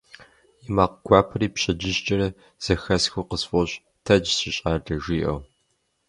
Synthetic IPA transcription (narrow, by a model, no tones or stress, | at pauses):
imaːqɡʷaːpʰɐɾiːpɕɐd͡ʒɪɕt͡ʃʼɐɾɐ | z̥ɐxɐsxuqəsfʼɔɕ | tʰɐd͡ʒsɪɕʼaːɮɐʒiːʔɐ̰w